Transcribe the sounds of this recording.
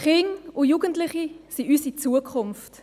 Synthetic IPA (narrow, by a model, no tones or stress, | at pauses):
χɪŋʊjuːɡ̥əntlɪχisiʔysit͡suəkʰʊmft